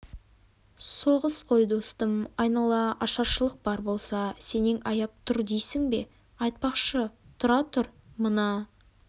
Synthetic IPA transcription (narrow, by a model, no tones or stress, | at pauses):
so̞ʁəsqʰo̞jd̪o̞st̪əmɑjnɑlˠɑʔɑʃɑɾʃəlˠəq̚bɑɾbo̞lˠsɑse̞neŋɑjɑp̚t̪ʰʊɾd̪ejsɪŋbe̞̰ | ɑjt̪̚pɑqʃət̪ʰʊɾɑt̪ʰʊɾmənɑ